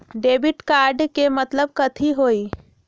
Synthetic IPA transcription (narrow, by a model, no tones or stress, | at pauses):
ɖebiʈkaɾɖkemət̪ləb̚kət̪ʰiɦoːi